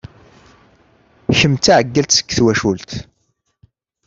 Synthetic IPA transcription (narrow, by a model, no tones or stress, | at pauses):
çəmt̪ːaʕəɡːælt̪sə̥kːθwæʃult̪